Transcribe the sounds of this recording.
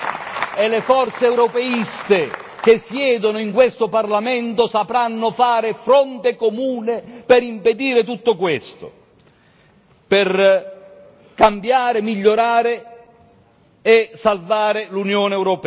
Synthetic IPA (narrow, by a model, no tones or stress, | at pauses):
elɪfɔrt̪seɛwɾɔpɛist̪ɪ | k̟esjɛːd̪onʊiŋkwest̪ʊparlamɛnt̪ʊsapɾanːʊfaːɾɪfɾɔnt̪ɪkomuːnɪpɪɾimped̪iːɾɪt̪̬ut̪ːʊkwest̪ʊ̰ | pɪr | kambjaːɾɪmiʎːoɾaːɾɪ | ɛsalvaːɾɪlunjoːneɛwɾopɛ